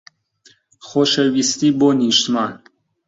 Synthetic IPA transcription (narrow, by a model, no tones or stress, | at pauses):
χoʃewist̪iboniʃt̪man